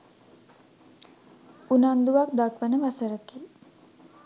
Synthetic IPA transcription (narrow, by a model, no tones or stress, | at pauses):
unand̪uʋak̚d̪akʋənəʋasəɾəke